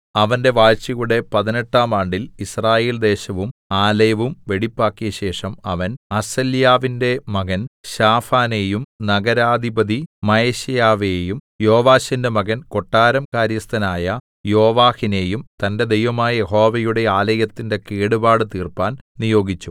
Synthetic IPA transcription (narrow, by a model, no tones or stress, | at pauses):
ɐʋɐnde̞ʋaːɻt͡ɕɐjuɽe̞pɐðine̞ʈːaːmaːɳɖilisraːje̞ːld̪e̞ːɕɐʋumaːlɐjɐʋumʋe̞ɽipːaːkːijɐɕe̞ːʂɐmɐʋɐnɐsɐljaːʋinde̞mɐɡɐnɕaːfaːne̞ːjumnɐɡɐɾaːd̪ʱibɐðimɐjeɕɐjaːʋejum | joːʋaːɕɐnde̞mɐɣɐnko̞ʈːaːɾɐmkaːɾjɐst̪ɐnaːjɐ | jo̞ːʋaːhine̞ːjumt̪ɐnde̞d̪e̞jʋɐmaːjɐjeɦo̞ːʋɐjuɽe̞aːlɐjɐt̪ːinde̞keːɽubaːɽɨt̪iːrpaːnnijo̞ːɡit͡ɕːu